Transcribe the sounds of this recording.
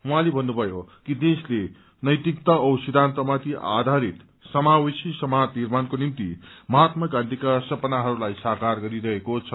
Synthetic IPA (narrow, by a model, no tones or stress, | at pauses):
ũɦãlebʱʌnːubʱʌjokid̪esle | nʌjt̪ikt̪ʌʌwsid̪ʱant̪ʌmat̪ʰiʔa̰d̪ʱaɾit̪ | sʌmawisisʌmad͡znirmankonimt̪ḭmʌɦat̪mʌkãnt̪ikasʌpʌnaɦʌɾulajsakarɡʌɾiɾʌɦekot͡sʰʌ